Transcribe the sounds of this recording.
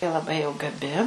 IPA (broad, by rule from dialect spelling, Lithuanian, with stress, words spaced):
jɪ lˠɐˈbɐɪ jɛʊ ɡɐˈbʲɪ